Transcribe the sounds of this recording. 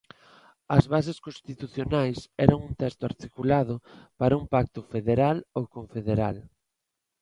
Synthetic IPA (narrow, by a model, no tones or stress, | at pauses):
ɐzβas̬eskõnst̪it̪uθjonajsɛɾɐŋunt̪ɛst̪ʊaɾt̪ikulað̞ʊpaɾɐumpak̚t̪ʊfeðeɾalowkoɱfeðeɾa̰l